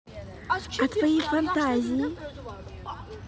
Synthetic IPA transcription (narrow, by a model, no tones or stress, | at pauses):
kɨt̪fɐifɐ̃nt̪azi